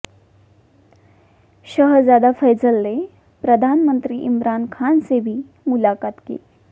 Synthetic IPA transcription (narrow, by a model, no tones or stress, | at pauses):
ɕəɦd͡zjad̪afəjd͡zəlːe | pɾəd̪ʱanmənt̪ɾiːʔimɾankʰansebʱiː | mulakat̪ɡḛl